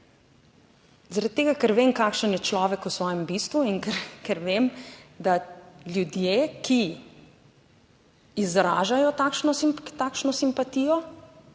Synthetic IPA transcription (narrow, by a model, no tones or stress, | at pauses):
zaɾat̪̚t̪ːeːɡakɛɾʋeːmkaːkʃənjɛt͡ʃlɔːʋɛkusʋɔːjɛmbiːst̪ʋuinkɛɾkɛɾʋeːmd̪alʲjud̪jeːki | izɾa̰ːʒajɔt̪akʃnɔt̪aːkʃnɔsimpat̪ijɔ